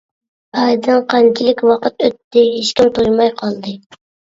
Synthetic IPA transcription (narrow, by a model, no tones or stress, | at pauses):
ɑd̪ɨnqʰɑŋkʲʰilɪkʲwɑqʰət̪øt̪ːɪɦeʃkʲimt̪ʰojmɑjqʰɑlˠd̪ɨ